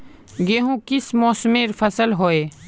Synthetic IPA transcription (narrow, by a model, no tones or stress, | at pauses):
ɡeːɦũkɪsmoːsmeːɾpʰəsəlɦoːeː